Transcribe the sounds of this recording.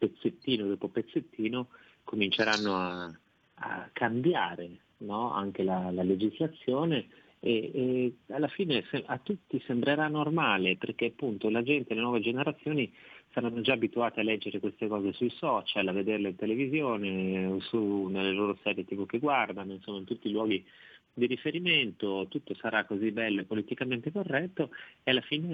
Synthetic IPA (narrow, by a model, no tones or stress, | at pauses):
pet̪sːet̪ːiːnod̪oːpopet̪sːet̪ʰːiːno | komint͡ʃeɾanːoa | a̰kʰːambjaːɾe | nɔa̰ŋk̟elalaled͡ʒizlat̪sːjoːne | e | alːafiːnesat̪ːut̪ːisembɾeɾanormaːleperkeapːunt̪olad͡ʒɛnt̪elenwɔːved͡ʒeneɾat̪sːjoːnisaɾanːod͡ʒaːbit̪uaːt̪ealːɛd͡ʒːeɾekwest̪ekɔːzesujsɔt͡ʃalaved̪erleint̪elevizjoːneosunelːeloːɾosɛːɾjet̪iːpokeɡward̪anoinsomːaint̪ut̪ːilwɔːɡi | d̪iɾifeɾiment̪ot̪ut̪ːosaɾakːozibɛlːoepːolit̪ikament̪ekorːɛt̪ːoealːafiːne